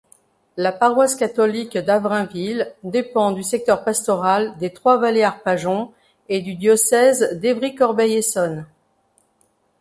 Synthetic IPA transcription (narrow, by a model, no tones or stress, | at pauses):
lapaʁwaskat̪ɔlikd̪avʁɛ̃vild̪epɑ̃d̪ysɛk̚t̪œʁpast̪ɔʁald̪et̪χwavaleaʁpaʒɔ̃ | ed̪yd̪jɔsɛzd̪evʁikɔʁbɛjesɔn